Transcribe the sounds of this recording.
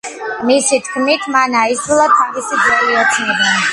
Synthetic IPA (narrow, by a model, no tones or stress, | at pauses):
misit̪ʰkʰmit̪ʰmanaisɾulˠat̪ʰavisid̪zɾɛliɔt̪sʰnɛbɛ